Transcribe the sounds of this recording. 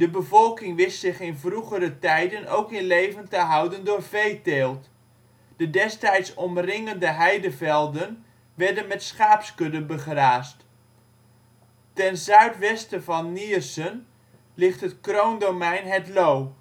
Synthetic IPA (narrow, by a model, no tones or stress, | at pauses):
d̥əbəvɔlˠkɪŋʋɪstsɪχɪnvruχəɾətɛjdəno̰wkɪnlejvəntəɦɑwdəndʊːrvejteːlˠt | d̥ədɛstɛjtsɔmrɪŋəndəɦɛjdəvɛlˠdən | ʋɛɹdənmɛtsχaːpskɵdəbəχraːst | tɛnzœɥtʋɛstəvɑnːiərsən | lɪχtɦətkrowndomɛjnɦɛtlow